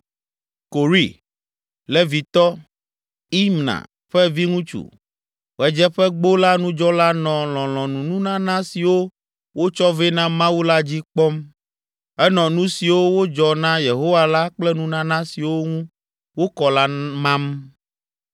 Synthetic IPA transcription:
ko˨ɾi˦˨ | lɛ˦vi˨t̪ɔ˦ | i˦mnã̰˨ | ɸɛ˦vi˦ŋũ˦t͡ʃṵ˨ | wɛ˦d͡ʒɛ˦ɸɛ˦ɡ͡bo˦la˦nũ˦d͡ʒɔ˦la˦nɔ̃˨l̃ɔ̃˨lɔ̃˨nũ˨nũ˦nã˦nã˦si˨wo˦ | wo˦t͡ʃɔ˦vɛ˦nã˦mã˦wu˦la˦d͡ʑi˦k͡pɔ˦m | ɛ˦nɔ̃˨nũ˦si˨wo˦wo˦d͡ʒɔ˨nã˦je˨ɦo˦wa˦la˦k͡plɛ˦nũ˦nã˦nã˦si˨wo˦ŋũ˦ | wo˦kɔ˨la˦mã˦m

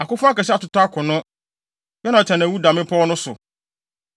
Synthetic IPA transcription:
a˨kʊ˦fʊ̃˦a˦kɛ˨ɕ̬ɛ˦a˨tʊ˦ta˦kʰʊ̃˨nʊ̃˦ | jɔ˦nã˨t͡ɕʰɛ̃˨ñ˨æ˨wu˦dã˨mɪ̃˦pʰɔ˦ɔ˦nʊ̃˦sʊ̰˨

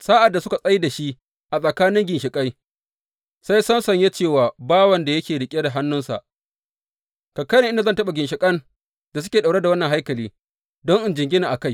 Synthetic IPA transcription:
sa˦ʔa˨dːa˨sʊ˦ka˨sʼɐ˦ji˦da˨ʃi˦ | ʔa˨sʼɐ˨kaː˦nɪ˦ŋɡʲɪ˨nʃɪ˨kʼa˦j | sa˦jsɐ˦nsɐ˨ɲje˦t͡ʃeː˦˨waː˨baː˦wɐ˨nda˨jɐ˦kʲeː˨ɽɪ˨kʲʼe˦da˨ɦa˦nːʊ˦nsa̰˨ʔ | kɐ˨kːɐ˦nɪ˨ʔɪ˦nda˨zɐ˦˨tɐ˦ɓa˨ɡʲɪ˨nʃɪ˨kʼɐ˦n | da˨s̬ʊ˦kʲeː˨ɗa˨ɽe˦da˨wɐ˦nːɐ˨ŋɦa˦jkɐ˨liː˦ | dɔ˦ŋʔɪ˦nd͡ʒɪ˨ŋɡʲɪ˦na˨ʔa˨ka˦j

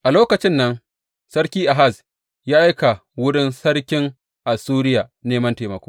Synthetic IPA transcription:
ʔa˨loː˦kɐ˨t͡ʃɪ˦nːɐ˦ŋ | sɐ˦rkʲiː˦ʔa˨ɦa˦˨s | jaː˦ʔa˦jka˨wʊ˦ɽɪ˦nsɐ˦ɽkʲɪ˦ŋ | ʔa˨suː˦ɾɪ˦jaː˨neː˦mɐ˦nteː˨mɐ˨kʷoː˦

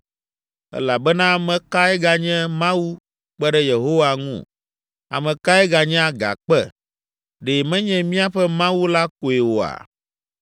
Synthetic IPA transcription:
ɛ̰˦la˨bɛ˦nã˦mɛ̃˦ka˦ɛ˦ɡa˨ɲɛ̃˦mã˦wu˦ | k͡pɛ˦ɖɛ˦je˨ɦo˦wa˨ŋṵ̃˦˨ | a̰˨mɛ̃˨ka˦ɛ˦ɡa˨ɲɛ̃˦a˨ɡa̰˨k͡pɛ˦˨ | ɖe˨mɛ̃˦ɲɛ̃˦mĩ˦a˦ɸɛ˦mã˦wu˦la˦ko˨e˨wo˨a̰˨

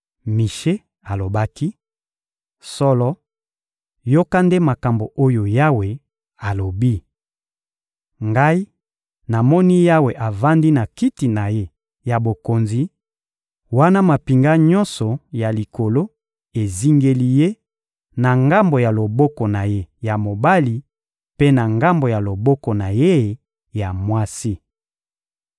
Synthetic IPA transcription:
mi˨ʃe˦ | a˨lo˨ba˦ki˦ | sɔ˦lɔ˦ | jo˦ka˦nde˦ma˨ka˨mbo˨ʔo˦jo˨ja˦we˨ | a˨lo˨bi˦ | ŋɡa˦i˦ | na˨mɔ˦ni˦ja˦we˨ʔa˨va˦ndi˦na˨ki˦ti˨na˨je˦ | ja˨bo˨ko˨nzi˨ | wa˦na˦ma˨pi˨ŋɡa˦ɲɔ̃˦nsɔ˨ja˨li˨ko˨lo˦ | e˨zi˦ŋɡe˦li˦je˦ | na˨ŋɡa˦mbo˨ja˨lo˨bɔ˦kɔ˨na˨je˦ja˨mo˨ba˦li˨ | pe˦na˨ŋɡa˦mbo˨ja˨lo˨bɔ˦kɔ˨na˨je˦ | ja˨mwa˦si˦

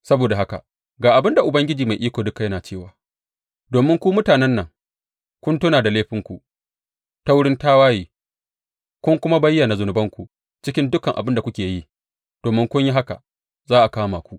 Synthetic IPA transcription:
sɐ˦boː˨da˨ha˦ka̰˨ | ɡaː˨ʔa˨bɪ˦nda˨ʔʊ˨bɐ˦ŋɡʲɪ˦d͡ʒiː˨ma˨jʔiː˦kʷoː˨dʊ˦kːa˨jɐ˦naː˨t͡ʃeː˦˨waː˨ | doː˨mɪ˦ŋkʷu˦mʊ˦taː˨nɛ˦nːɐ˨ŋ | kʷʊ˦ntʊ˦naː˨da˨leː˦ɸɪ˦ŋkʷu˨ʔ | ta˦wʊ˦ɽɪ˦ntaː˦waː˦jiː˨ | kʷʊ˦ŋkʷʊ˦ma˦bɐ˦jːa˨na˨zʊ˨nʊ˨bɐ˦ŋkʷu˨ | t͡ʃɪ˦kʲɪ˦ndʊ˦kɐ˨ŋʔa˨bɪ˦nda˨kʷʊ˦kʲeː˨jiː˦ | d̥oː˨mɪ˦ŋkʷʊ˦ɲji˦ɦa˦ka̰˨ | zaː˦ʔa˨kaː˦maː˨kʷu˦ʔ

